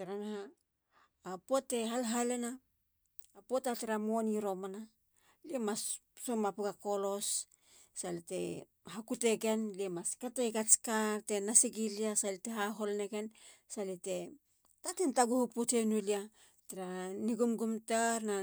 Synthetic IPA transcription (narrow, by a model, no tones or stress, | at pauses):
teɾanhaː | potːe̞ɦalɦalenaː | potateɾamoniɾo̞mana | liemassomapuɡako̞lo̞s | salite̞̰ | ɦakute̞ɡe̞nliemaskatejkat͡ʃkaɾte̞nasiɡiliasaliteɦaɦo̞lne̞ɡe̞nsalite̞ | tatentaɡuhuputenulia | teɾaniɡumɡumtaɾna